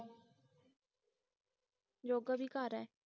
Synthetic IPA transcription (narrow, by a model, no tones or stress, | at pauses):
d͡ʒoːɡabʱikaːɾɛː